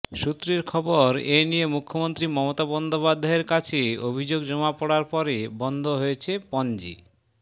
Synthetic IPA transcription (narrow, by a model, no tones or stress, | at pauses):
ʃut̪ːɾeɾkʰɔboɾenijemukʰːomont̪ɾimɔmot̪abɔnd̪opad̪ʱːaeɾkat͡ɕʰeobʱid͡ʑoɡd͡ʑɔmapɔɽaɾpɔɾebɔnd̪ʱoɦoet͡ɕʰepɔnd͡ʑḭ